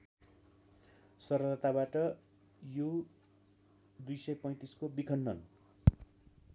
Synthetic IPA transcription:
sʌɾʌd̪ʌt̪abaʈʌ | ju | d̪ujsʌjpʌj̃t̪iskobikʰʌnːʌn

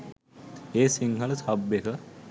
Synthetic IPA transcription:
eːsiŋɦɐləsɐbjekə

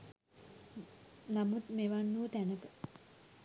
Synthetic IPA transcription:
namut̪meʋanːuːt̪ænəkə

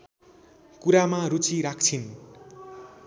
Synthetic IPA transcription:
kuɾamaɾut͡siɾakʰt͡sʰin

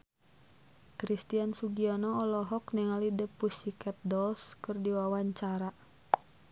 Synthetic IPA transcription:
kɾist̪iansuɡianɔːlɔɦɔknɛŋalidəpusikɛt̪̚dɔlskɨrdiwawaɲt͡ʃaɾa

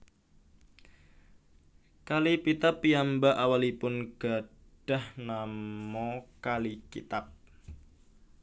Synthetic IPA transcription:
kalipit̪apːiambaʔawalipʊnɡ̥a̤ | ɖ̥a̤hnamɔkalikḭt̪ap̚

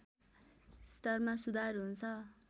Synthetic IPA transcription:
st̪ʌrmasud̪ʱarɦunt͡sʰʌ

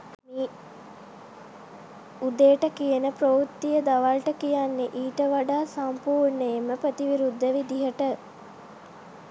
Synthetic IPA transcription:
mi | ud̪ejʈəkijənəprout̪ːijəd̪aʋalʈəkijanːeʔiːʈəʋaɖaːsampuːɾnəjeməpət̪iʋiɾud̪ʱːəʋid̪iɦəʈə

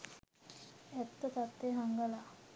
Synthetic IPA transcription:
ɛt̪ːət̪at̪ːeɦaŋɡəla

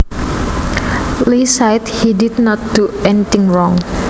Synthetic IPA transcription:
lisajthididnɔt̪̚d̥uɛnit̪ɪŋɹɔŋ

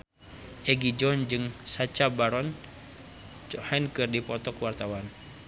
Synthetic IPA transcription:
ʔɛɡid͡ʒɔnd͡ʒɨŋsat͡ʃabaɾɔn | t͡ʃɔhɛnkɨrdipɔt̪ɔkwart̪awan

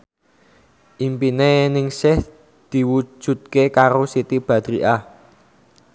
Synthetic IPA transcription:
ʔimpinenɪŋsɪh | d̪̥i̤wu̥ʒ̥ṳt̪̚kekaɾosit̪ib̥ä̤d̪̥ɾiʔa

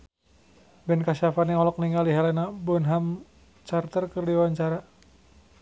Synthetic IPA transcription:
bɛnkaʃafaniɔlɔk̚niŋɡaliɦalɛnabɔnɦam | t͡ʃart̪ərkərdiwaɲt͡ʃaɾa

